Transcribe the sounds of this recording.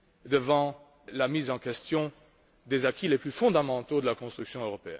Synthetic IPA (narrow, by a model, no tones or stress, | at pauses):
d̪əvɑ̃ | lamizɑ̃kɛst̪jɔ̃ | d̪ezakʲileplyfɔ̃d̪amɑ̃t̪od̪əlakɔ̃st̪χyksjɔ̃øʁɔpeɛ̰n